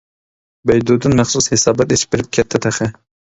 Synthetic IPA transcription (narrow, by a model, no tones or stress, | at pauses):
bɛjd̪ud̪ɨnmæχsushesɑːbɑt̪eʃʰi̥p̚bɪɾɪp̚kʲʰɛt̪ʰːɛt̪ʰæχɪ